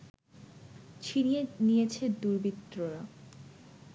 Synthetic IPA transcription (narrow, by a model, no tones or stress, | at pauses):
t͡ɕʰinijenijet͡ɕʰed̪uɾbit̪ːɾoɾa